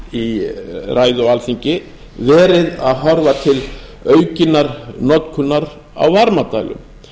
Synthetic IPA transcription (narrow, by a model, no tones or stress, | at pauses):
irʔaːjðɔalθiɲcɪ | vɛːɾɪðaðɦɔɾvat̪ʰɪlœːɥcɪnːaɾnɔt̪kʰʏnːaɾ | a̰wvaɾmat̪aːjlʏ̰m